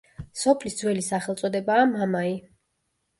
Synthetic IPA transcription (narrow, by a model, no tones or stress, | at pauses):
sɔpʰlisd̪zwɛlisaχɛlt̪sʼɔd̪ɛbaːmamai